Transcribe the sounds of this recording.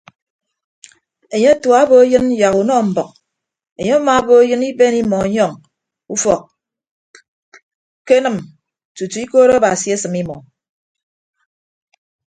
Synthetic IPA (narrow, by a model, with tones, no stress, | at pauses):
e˨ɲe˦tu˨a˨˦bo˦e˦jɨ˦n̩˦ja˨ɣu˨nɔ˦˨m̩˨bɔ˨k̚ | e˨ɲe˦a˦ma˨˦bo˦e˦jɨ˦ni˦be˦ni˦mɔ˨˦ɲɔ˦˨ŋ | u˦fɔ˨k̚ | ke˦nɨ˨m | tu˨tu˨i˦koː˦ɾo˦a˦ba˨si˨e˦sɨ˨mi˦mɔ̰˨